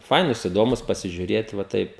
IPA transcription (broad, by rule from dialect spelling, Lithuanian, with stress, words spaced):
ˈfɐɪnuːs ɪˈdoːmuːs pɐsʲɪʒʲʊˈrʲeːt ʋɐ ˈtɐɪp